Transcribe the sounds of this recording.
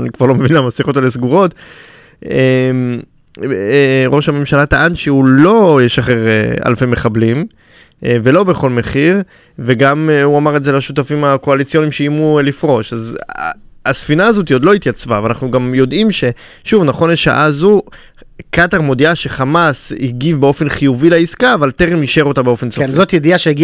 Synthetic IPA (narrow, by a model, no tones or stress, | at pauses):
anikvaʁlo̞mevinlamasiχotalesɡuʁo̞t | em | ʁo̞ʃhame̞mʃalat̪aʔanʃiulo̞jeʃaχeʁea̰lfemeχablim | ve̞lo̞be̞χo̞lmeχiʁ | ve̞ɡamuamaʁezelaʃutafimako̞alit͡sijo̞nimʃeimulifʁo̞ʃaz | asfinaːzo̞t̬iod̪loit̪jat͡svaveanaχnuɡamjo̞dimʃe̞ | ʃuvnaχo̞nleʃa̰ʔazu | kataʁmo̞diaʃe̞χamasiɡivbeo̞fe̞nχijuvileiskaːvalteʁemiʃe̞ʁo̞tabeo̞fe̞nsoenzot̪jediaʃeiɡi